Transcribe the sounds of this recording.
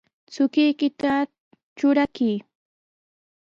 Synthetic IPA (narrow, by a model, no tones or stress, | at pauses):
t͡sʊkɪjkɪt̪a | t͡ʃʊɾakiː